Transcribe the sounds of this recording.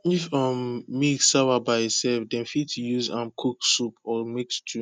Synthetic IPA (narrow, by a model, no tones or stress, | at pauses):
ifɔmːiksawabaɪitsɛlfdɛ̃nfitjuzãmkʰuksupɔmekstʰu